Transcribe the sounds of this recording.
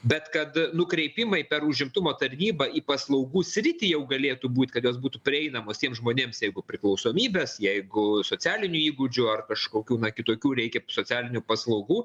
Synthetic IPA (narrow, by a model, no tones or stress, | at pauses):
bʲɛt̪kɐt̪nʊkɾʲɛɪpʲɪmɐɪpʲɛrʊʒʲɪmt̪ʊmoːt̪ɐrʲnʲiːbɐiːpɐslˠɐʊɡuːsʲɾʲɪt̪ʲijɛʊɡɐlʲeːt̪uːbuːt̪ʲkɐt̪joːs̬buːt̪upʲɾʲɪɛɪnɐmoːst̪ʲiɛmsʒmoːnʲeːmsjɛɪɡʊpʲɾʲɪklˠɐʊsoːmʲiːbʲɛːsjɛɪɡʊsoːt͡sʲæːlʲɪnʲʊiːɡʊd͡ʒʲʊɐrkɐʃkoːkʲuːnɐkʲɪt̪oːkʲuːɾʲɛɪkʲɛsoːt͡s̪ʲsʲæːlʲɪnʲʊpɐslˠɐʊɡuː